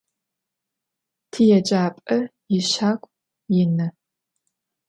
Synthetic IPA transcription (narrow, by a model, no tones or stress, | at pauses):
tʰijɛt͡ʃʼaːpʼɐjɪɕaːkʷʼ | jɪnɐ